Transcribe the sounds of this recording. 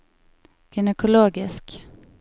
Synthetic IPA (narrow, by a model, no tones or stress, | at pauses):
ɡ̥ɪnəkʰʊloːɡɪsk